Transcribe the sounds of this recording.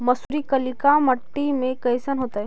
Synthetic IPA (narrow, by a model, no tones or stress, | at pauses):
mɐsuɾikəlikaməʈːimẽkɐjsənɦoːt̪aɦɛ